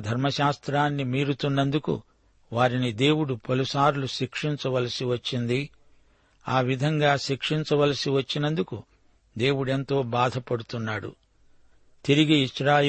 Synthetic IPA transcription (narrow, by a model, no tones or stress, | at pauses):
d̪ʱɐɾmɐʃaːst̪ɾaːnːimiːɾut̪unːɐnd̪ukṵ | ʋaːɾinid̪e̞ːwuɽupɐlusaːɾluʃikʂiɲt͡ʃɐʋɐlɐsiʋɐt͡ʃːind̪i | aːʋid̪ʱɐŋɡaːʃikʂiɲt͡ʃɐʋɐlɐsiʋɐt͡ʃːinɐnd̪uku | d̪e̞ːwuɽe̞nt̪o̞ːbaːd̪ʱɐpɐɽut̪unːaːɽṵ | t̪iɾiɡiiʃɾaːj